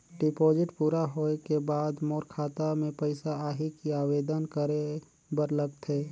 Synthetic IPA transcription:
ɖɪpɔːd͡ʒɪʈpuːɾaɦoekebaːd̪moːɾkʰaːt̪amẽpəɪsaaːɦikiaːweːd̪ənkəɾe | bəɾləɡt̪ʰɦeː

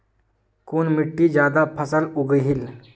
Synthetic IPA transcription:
kuːnmɪʈːid͡ʒjaːd̪apʰəsəlʊɡəɦɪl

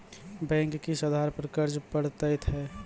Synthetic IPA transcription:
bɛ̃ːŋkːisəd̪ʱaɾpəɾkəɾd͡ʒpəɽt̪əɪt̪ɦɛː

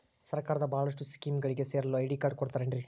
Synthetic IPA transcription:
sɐɾkaːɾɐðɐbaːlɐʂʈːɯskiːmɡɐɭɪkːeseːɾɐloːɐɪɽikːaːɾɖ̚kɔɽɯt̪ːaːɾɛndriɾkː

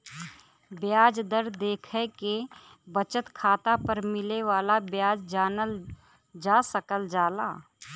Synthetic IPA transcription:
bjaːd͡ʒd̪əɾd̪eːkʰəke | bət͡ʃət̪kʰaːt̪apəɾmɪleʋaːlabjaːd͡ʒd͡ʒaːnəl | d͡ʒasəkəld͡ʒaːla̰ː

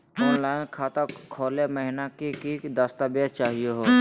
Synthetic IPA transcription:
ɔːnlaːɪnkʰaːt̪akʰoːleməɦɪnakikid̪ast̪abjat͡ʃaːɦijeɦoː

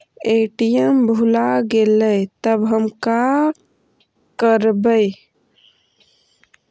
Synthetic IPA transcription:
eʈijəmbʱulaɡeləjt̪əbɦəmka | kəɾbəj

